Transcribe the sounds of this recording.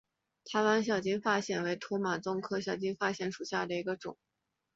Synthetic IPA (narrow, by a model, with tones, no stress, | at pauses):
t̪ʰa˧˥ɪwa˧˥nɕ̬jɑ˨˩ʊt͡ɕi˥nfa˥ɕjɛ˥˩nwe˧˥ɪt̪ʰu˧˥ma˨˩t͡sʊ˥˧ŋkʰɤ˥˧ɕjɑ˨˩ʊt͡ɕi˥nfa˥ɕjɛ˧˥nʂu˨˩ɕja˥˩d̪ə˩i˧˥ɡə˧ʈ͡ʂʊ̰˨˩˦ŋ